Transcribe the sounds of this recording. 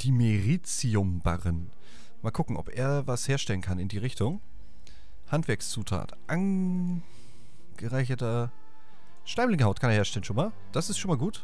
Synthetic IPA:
d̥iːmeʁiːt͡siʊmba̰ʁən | maːlkʰʊkŋ̩ʔɔ̰pḛːɐvasheːɐʃtɛlənkʰanɪndiːʁ̞ɪçtʊŋ | hantv̥ɛɐkst͡suːtʰa̰ːtʔan | ɡ̥əʁaɪçɐtɐ | ʃtaɪmlɪŋəhaʊtkʰaneɐheːɐʃtɛlənʃoːnmaːl | d̥asɪstʃoːnmaːlɡuːt

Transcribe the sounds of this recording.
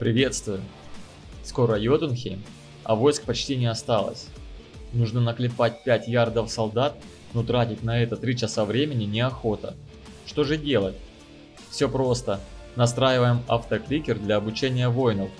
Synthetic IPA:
pɾʲɪvʲe̞t̪st̪vʊjʊ | sko̞ɾəjot̪ɨnxʲejm | ɐ̰vo̞jsk̚pɐt͡ɕtʲinʲɪɐst̪alˠə̰sʲ | nuʐnənəklʲɪpat̚ʲpʲætʲjard̪əfsɐlˠd̪at̪̚ | not̪ɾatʲɪtʲnɐɛt̪ət̪ɾʲit͡ɕɪsavɾʲemʲɪnʲɪnʲɪɐxo̞t̪ə̰ | ʂt̪o̞ʐɨdʲe̞lˠətʲ | fsʲɵ̞pɾo̞st̪ənɐst̪ɾajɪvəjɪmaft̪əklʲikʲɪrd̪lʲɐːbʊt͡ɕenʲɪjəvo̞jɪnəf

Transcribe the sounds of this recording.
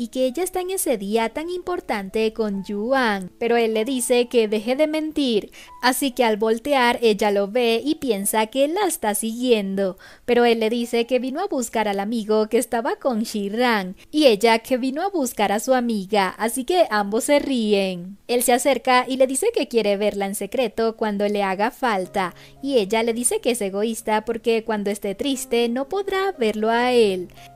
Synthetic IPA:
ike̞eʝaest̪aeŋe̞se̞ðiat̪aŋimpo̞ɾt̪ant̪e̞ko̞nd͡ʒuaŋpe̞ɾo̞e̞lːe̞ðise̞ke̞ðe̞xe̞ðe̞mẽ̞nt̪iɾasike̞alβo̞lt̪eaɾe̞ʝalo̞βe̞ipje̞nsake̞laest̪asiɣje̞nd̪o̞ | pe̞ɾo̞e̞lːe̞ðise̞ke̞βino̞aβuskaɾalamiɣo̞ke̞ːst̪aβako̞ŋʃiraŋ | ie̞ʝakʰe̞βino̞aβuskaɾasuamiɣaʔasike̞ʔambo̞sːe̞rie̞ŋe̞lsease̞ɾkaʔile̞ðise̞ke̞kje̞ɾe̞βe̞ɾlaense̞kɾe̞t̪o̞kwand̪o̞le̞aɣafalt̪a | ie̞ʝale̞ðise̞ke̞ese̞ɣo̞ist̪apo̞ɾke̞kwand̪o̞e̞st̪e̞t̪ɾist̪e̞no̞po̞ðɾaβe̞ɾlo̞ae̞l

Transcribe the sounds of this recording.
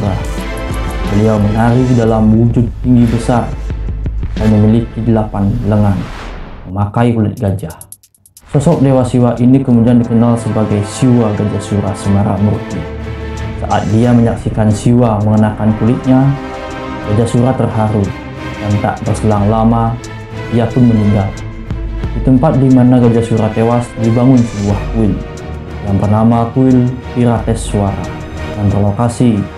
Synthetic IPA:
uɾa | bəliawmənaɾifdalamwud͡ʒʊt̪̚ːiŋɡibəsar | kajməmilikidəlapanləŋanməmakaikulɪt̪̚ɡad͡ʒa | sɔsɔk̚dewasiwaʔinikəmudiandikənalsəbaɡajsiwaɡad͡ʒasuɾasəmaɾa̰murt̪i | sa̰ʔa̰t̪̚diaməɲaksikansiwaməŋənakankulɪt̪̚ɲa | ɡad͡ʒasuɾat̪ːərɦaɾu | dant̪a̰ʔbərsəlaŋlama | diapʊnməɲiŋɡal | dit̪əmpat̪̚dimanaɡad͡ʒasuɾat̪ewasdibaŋʊnsiwahkuɪl | jaŋpərnamakuɪlpiɾat̪ɛsːuaɾa̰ | ŋant̪ərlokasi

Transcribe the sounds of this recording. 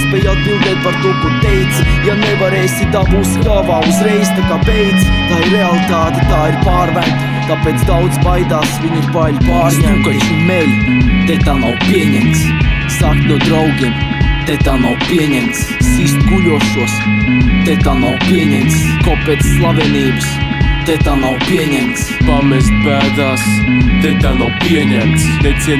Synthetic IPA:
spɛjat̪uɾd̪ɛjt̪̚paɾt̪uɔkut̪ɛjt̪sjanɛvaɾejsʲit̪aːbuskavaːuzɾɛjz̥t̪akaːpɛjt̪st̪ajɾealˠit̪aːt̪ɛt̪aːiɾpaːɾmænt̪ | t̪apeːt̪sd̪awd̪zbajd̪aːsviɲupaʎpaːɾɲɛmkɔʃmɛlt̪ɛt̪aːnawpʲiɛɲɛmt̪s | saklʲud̪ɾawɡʲiɛmt̪et̪aːnawpʲiɛɲɛmt̪ssist̪kulʲuɔʃuɔst̪ɛt̪aːnawpʲiɛɲɛmt̪skɔpɛːt̪sslˠavɛniːbəst̪ɛt̪aːnawpʲiɛɲɛmt̪spamɛzt̪̚pæːd̪aːst̪ɛt̪aːnawpʲiɛɲɛmt̪snɛsi

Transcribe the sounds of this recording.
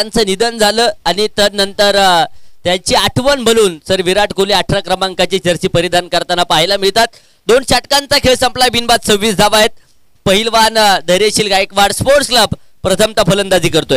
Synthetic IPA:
ant͡sənid̪ənd͡zʱaləːañit̪ənənt̪əɾt̪jat͡ɕiːaʈʰʋənbʱəluːnsəɾʋiɾaʈkoliaʈʰɾakɾəmaŋkat͡ɕit͡ɕəɾsiːpəɾid̪ʱankəɾt̪anapaɦilamiɭt̪at̪ | d̪onɕaʈkant͡sakʰeɭsəmplajbʱinbat̪səɾʋiːsd͡zʱaʋaɦet̪̚ | pəɦilʋand̪ʱəɾeɕiːlɡaekʋaɽspoɾskləb | pɾət̪ʰəmt̪apʰələnd̪ad͡ziːkəɾt̪oe

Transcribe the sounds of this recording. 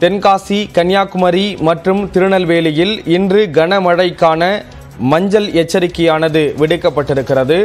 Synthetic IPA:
t̪ɛnkaːsikɐnjaːkɯmɐɾimɐʈrɯmt̪ɪɾɯɳɐlʋeːlɪjɪlɪndrɯɡɐnɐmɐɻɐɪkːaːnɐ | mɐɲd͡ʒɐlɛt͡ʃːɐɾɪkːɐjaːnɐðɯʋɪɽɯkːɐpːɐʈːɪɾɯkːɪrɐðɯ

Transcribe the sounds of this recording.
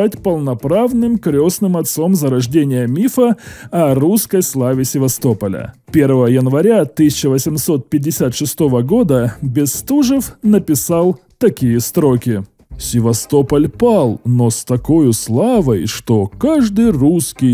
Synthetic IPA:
atʲpəlˠnɐpɾavnɨmkɾʲosnɨmɐt̪so̞mzəɾɐʐdʲenʲɪjəmʲifəɐruskəjslˠavʲɪsʲɪvɐst̪o̞pəlʲə̰ | pʲe̞rvəvəjənvɐɾʲat̪ɨsʲɪt͡ɕəvəsʲɪmso̞t̪̚pʲɪdʲːɪsʲat̪ʂɨst̪o̞vəɡo̞d̪əbʲɪst̪uʐəfnəpʲɪsalˠ | t̪ɐkʲijəst̪ɾokʲɪ | sʲɪvɐst̪o̞pəlʲpalˠnost̪ɐko̞jʊslˠavəjʂt̪o̞kaʐd̪ɨjruskʲɪj

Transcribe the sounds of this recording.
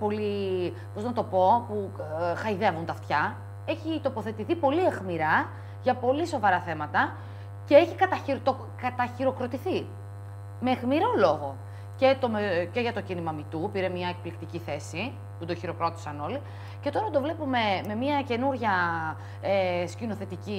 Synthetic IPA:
po̞li | po̞znɐt̪o̞po̞puxɐiðe̞vunt̪ɐft̪çɐ | e̞çit̪o̞po̞θe̞t̪iθipo̞liexmiɾɐ | ʝɐpo̞liso̞vɐɾɐθe̞mɐt̪ɐ | ce̞eçikɐt̪ɐiɾt̪o | kɐt̪ɐçiɾo̞kɾo̞t̪iθi | me̞xmiɾo̞lo̞ɣo̞ | ce̞t̪o̞mece̞ʝɐt̪o̞cinimɐmit̪upiɾemɲɐek̚plikt̪iciθe̞si | pud̪oçiɾo̞kɾo̞t̪i̥sɐno̞li | ce̞t̪o̞ɾɐd̪o̞vle̞pume̞me̞miɐce̞nuɾʝɐ | escino̞θe̞t̪ici

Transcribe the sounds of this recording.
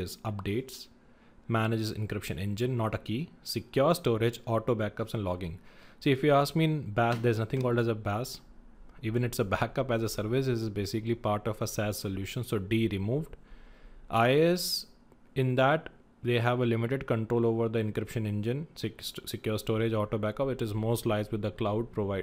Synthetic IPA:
zʌp̚ɖeːʈs | mænɪd͡ʒɪzɪ̰̃nkɾɪpʃə̰̃nɛ̃nd͡ʒɪ̃nːɔːʈəkiːsɪkjɔːɾsʈɔːɾɪd͡ʒɔːʈoːbækʌpsɛ̃ɳlɔːɡɪ̃ŋsiːɪfjiaːskmĩnbæsd̪eɾznʌt̪ʰɪ̃ŋkɔːlɖæzəbæːs | iːʋə̃nɪʈsəbækʌpæzəsəɾʋɪs̬ɪsɪzbeːsɪklipaːɾʈɔfəsæːzsoljuːʃə̃nsoːɖiːɾɪmuːʋɖ | ʔaɪɛs | ɪ̃nd̪æʈ | d̪eːɦæʋəlɪmɪʈeɖkə̃ɳʈɾoːloːʋəɾd̪əɪ̃nkɾɪpʃə̃nɛ̃nd͡ʒɪ̃nssɪkjɔːɾsʈɔːɾɪd͡ʒɔːʈoːbækʌpɪʈɪzmoːsʈlaɪzʋɪd̪ːəklaʊɖ̚pɾoʋaɪ

